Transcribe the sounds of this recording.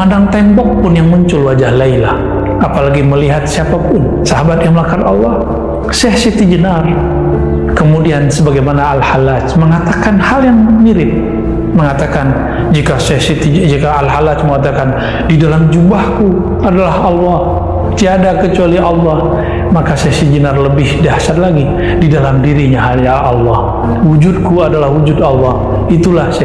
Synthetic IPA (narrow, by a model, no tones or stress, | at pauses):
andaŋt̪ɛmbɔk̚pʊnjaŋməɲt͡ʃʊlwad͡ʒahlailah | apalaɡiməliɦat̪̚siapapʊn | saɦabat̪̚jaŋməlakanɑlːɑh | sɛhsit̪ibənar | kəmudiansəbaɡajmanaːlhalat͡ʃməŋat̪akanhaljaŋmiɾɪp̚ | məŋat̪akan | d͡ʒikasɛhsit̪id͡ʒikaalɦalat͡ʃməŋat̪̬akan | didalamd͡ʒumbahku | adalahɑlːɔh | t̪iadakət͡ʃualiɑlːɑh | makasɛsid͡ʒənarləbɪhdasat̪laɡi | didalamdiɾiɲaɦaljaʔːlːɔh | wud͡ʒʊd̪̚kuadalahwud͡ʒʊdɑlːɑh | it̪ulahs